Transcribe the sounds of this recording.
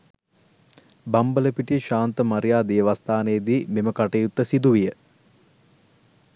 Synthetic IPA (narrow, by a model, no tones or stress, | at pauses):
bɐmbələpiʈiʃaːnt̪əmaɾijaːd̪ijəʋast̪aːnejəd̪iːmeməkaʈejut̪ːəsid̪uʋijə